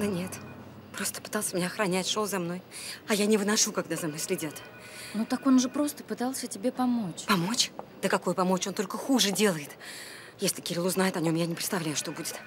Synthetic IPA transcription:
d̪ənʲe̞t̪ | pɾo̞st̪ə̥pɨ̥t̪ɑlˠsʲəmʲɪnʲaxɾɐnʲætʲʂolˠzɐmno̞j | ɐjanʲɪvɨnɐʂukaɡd̪azɐmno̞jʲsʲlʲɪdʲat̪ | nut̪ako̞nʐɨpɾo̞st̪əpɨt̪alˠsʲətʲɪbʲe̞pɐmo̞t͡ɕpɐmo̞t͡ɕd̪̥əkɐkujʊpɐmo̞t͡ɕot̪olʲkəxuʐɨdʲe̞lˠəjɪt̪ | jesʲlʲɪkʲɪɾʲilˠuznajɪt̪ɐnʲo̞mjanʲɪpɾʲɪt̪st̪ɐvlʲæjʊʂt̪o̞budʲɪt̪

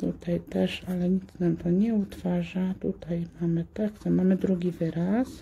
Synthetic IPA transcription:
t̪ṵt̪ajt̪ɛʂalɛɲit͡s̪namt̪ɔɲɛut̪faʐat̪ut̪ajmamɘt̪aksamamɘd̪ɾuɡʲivɘɾas

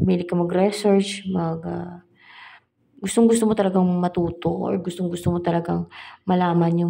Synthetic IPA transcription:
miːlɪkːɐmɐɡɾɛsɛɹt͡ʃmɐɡa | ɡʊst̪oŋɡʊst̪omot̪ɐlɐɡaŋmɐt̪uːt̪o̞ʔɔ̰ɹɡʊst̪oŋɡʊst̪omot̪ɐlɐɡaŋmɐlaːmɐnjʊ

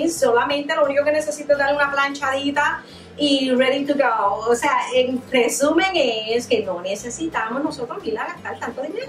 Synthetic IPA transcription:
solamẽnt̪elouniko̞kene̞sesit̪oezd̪aɾleunaplant͡ʃaðit̪a | ireðit̪uɡowoseaenresumeŋeske̞nonese̞sit̪amozno̞so̞t̪ɾozmilaɣat̪aɾet̪ant̪oðemjeð

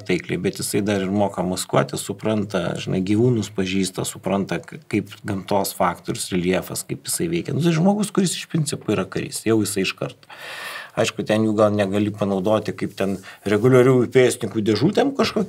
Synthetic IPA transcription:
t̪ɐɪklʲḛbʲɛt̪jɪsɐɪd̪ɐɾɪrmoːkɐmɐskuɔt̪ʲɪsʊpɾɐnt̪ɐ̰ʒʲɪnɐɪɡʲiːʋuːnʊspɐʒʲiːst̪ɐsʊpɾɐnt̪ɐkɐɪpɡɐmt̪oːsfɑːkt̪oːɾʲʊsɪlʲiɛfɐ̰skɐɪpjɪsɐɪʋʲɛɪkʲɛnʊt̪ɐɪʒmoːɡʊskʊɾʲɪsɪʃpʲɾʲɪnʲt͡sʲɪpʊiːɾɐkɐɾʲɪ̰sjɛʊjɪsɐɪɪʃkɐrt̪ɐ̥ɐɪʃkʊt̪ʲɛnjuːɡɐlˠnʲɛɡɐlʲipɐnɐʊd̪oːt̪ʲɪkɐɪpt̪ʲɛnɾʲɛɡʊlʲɐɾʲuːpʲeːsʲɪnʲɪŋkuːd̪ʲɛʒuːt̪ʲɛmkɐʃkoːkʲ

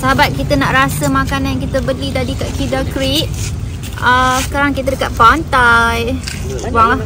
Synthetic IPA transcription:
səɦabat̪̚kit̪ənaʔɾasəmãkanãnjaŋkit̪əbəlidadikaʔkidakɾiʔ̚ | əsə̥kaɾaŋkit̪̬ədəkat̪̚pant̪aj | waŋlah

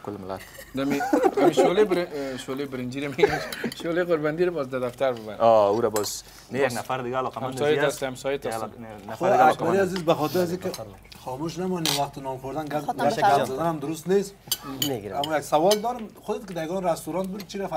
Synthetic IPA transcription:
kʊlmla̰t̪ | d̪amiamiʃolebɾʃolebɾɪnd͡ʒiɾameɡamʃoleqʊɾband̪iɾabɔzd̪ad̪aft̪aɾbɪbaɾ̰ɔuɾabɔz | nejaɡnafaɾd̪ɪɡaːlɔqamamsɔjeast̪iamsɔjet̪asnaxoakaɾiazizbaxɔt̪ɪɾazikɪ | xɔmuʃnamɔniwaxt̪ɪnɔmxʊɾd̪anɡɡaɡad̪ɔd̪anamd̪ʊɾʊst̪neseɡamɔjaɡsawɔld̪ɔɾɪmxʊd̪ɪt̪kɪd̪ajaɡɔnɾast̪uɾɔnt̪̚bud̪̚t͡ʃʰiɾaf

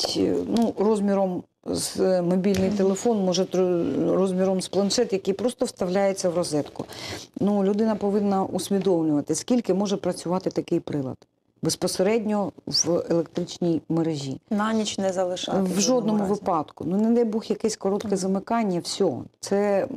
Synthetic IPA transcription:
nurɔzʲmʲiɾɔm | z̥mɔbʲilʲnɪjt̪elˠefɔnmɔʒɛt̪ɾɔzmʲiɾɔmsplˠɐnʃɛt̪jɐkɪjpɾɔst̪ɔwst̪ɐʋlʲajet͡sʲːɐwrɔzɛt̪kʊ̰nulʲʊd̪ɪnɐpɔʋɪnːɐʔusʲmʲid̪ɔwnʲʊʋɐt̪ɪskʲilʲkɪmɔʒɛpɾɐt͡sʲʊʋɑt̪ɪt̪ɐkɪjpɾɪlˠɐ̰d̪ | bespɔseɾɛdʲnʲɔʋelˠek̚t̪ɾɪt͡ʃnʲijmeɾeʒʲḭnɑnʲit͡ʃnɛzɐlˠɪʃɑʋʒɔd̪̚nɔmʊʋɪpɑd̪̥kʊnunɛd̪ɛjbuxjɐkɛsʲkɔɾɔt̪kɛzɐmɪkɑnʲːɐwsʲɔɦɔ̰t̪sɛ

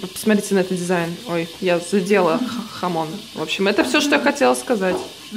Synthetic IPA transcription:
pə̥smɐt̪ɾʲitʲɪnɐɛt̪ət̪̚dʲɪzajɪno̞jjazɐdʲe̞lˠəxxɐmo̞nvo̞pɕːɪmɛt̪əfsʲoʂt̪ojaxɐtʲe̞lˠskɐzatʲ

